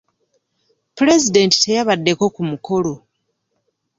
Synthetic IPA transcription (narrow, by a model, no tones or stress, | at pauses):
puɾezide̞nti̥te̞jaβadːe̞ko̞kumuko̞lo̞